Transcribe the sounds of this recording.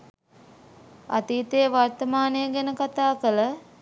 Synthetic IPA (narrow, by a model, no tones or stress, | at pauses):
a̰t̪iːt̪ejəʋart̪əmaːnəjəɡænəkat̪aːkələ